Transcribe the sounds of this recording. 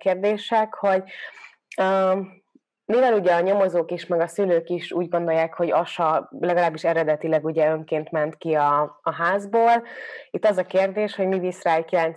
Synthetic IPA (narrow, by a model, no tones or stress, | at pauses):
keːrd̪eːʃɛkho̞ɟ | ø | mivɛluɟɛɒɲo̞mozoːkiʃmɛɡɒsyløːkiʃuːɟɡo̞nd̪o̞jːaːkho̞ɟɒʃɒlɛɡɒlaːbːiʃɛɾɛd̪ɛt̪ilɛɡuɟɛø̞ŋkeːnt̪mɛnt̪kiɒːɦaːzboːlit̪ːɒzɒkeːrd̪eːʃho̞ɟmivisraːjikjɛlɛn